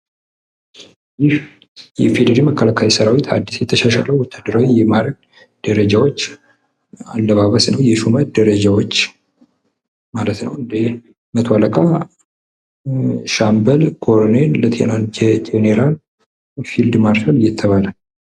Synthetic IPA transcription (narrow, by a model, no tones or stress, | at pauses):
jɪh | jɛfed̪əɾiməkːəlakʰawisəɾawit̪ha̰d̪ːisjɛt̪ʰəʃaʃa̰ləwwɔt̪ʰːad̪ːəɾawijɛmaɾəɡ | d̪̥əɾəd͡ʒawo̞t͡ʃː | alːəβaβəsnəwjɛʃumət̪d̪əɾəd͡ʒawot͡ʃː | malət̪nəwɨnd̪e | mət̪ʰwaləkʼa | ʃambəlɡʰo̞ɾnelət̪ʰennd͡ʒet̪ʰeneɾal | fild̪maɾʃaljːɛt̪ʰːəβalə